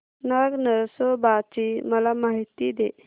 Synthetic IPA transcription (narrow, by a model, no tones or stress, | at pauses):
naɡnəɾsɔbat͡ʃiməlamaɦit̪id̪e